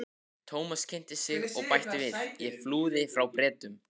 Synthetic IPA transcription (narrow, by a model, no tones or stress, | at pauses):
t̪ʰoːwmascʰɛjn̥t̪ɪsjɪɣɔɣpajht̪ɪvɪðjɛfluːðɪfɾawpɾɛːt̪ʏm